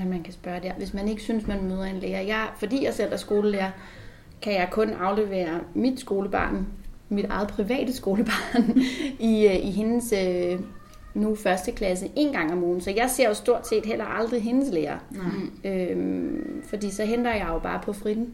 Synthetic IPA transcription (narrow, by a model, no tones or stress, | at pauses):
æmænkʰæsb̥ɶɐd̥e̝ɐʋe̝smæne̝ɡ̥əsynsmænmøːð̞ˠɐe̝nleːɐjɑ̈ɪfɒ̽d̥ḭːjäɪsen̰d̥ɐsɡ̥o̝ːləleːɐ | kʰæjɑ̈ɪkʰɔ̽nʔɑ̈ʊle̝ʋe̝̰ːɐmid̥sɡ̥o̝ːləb̥ɑ̰̈ːnmid̥ɑ̈ɪð̩ˠpʰʁiʋɛ̰ːd̥əsɡ̥o̝ːləb̥ɑ̈ːniʔiɦe̝nəsø | nufɶɐsd̥əkʰlæs̬əʔe̝nɡ̥ɑ̈ŋ̰ɒmɔːn̩sɒ̽jɑ̈ɪse̝ɐ̰osd̥o̝ɐ̰d̥se̝̰ːd̥ɦel̰ɐʔɑ̈ld̥ʁiɦe̝nəsleːɐ | ø | fɒd̥ḭːsɒ̽ɦend̥ɐjɑ̈ɪjob̥ɑ̈ːpʰɒ̽fʁid̥ˠn̩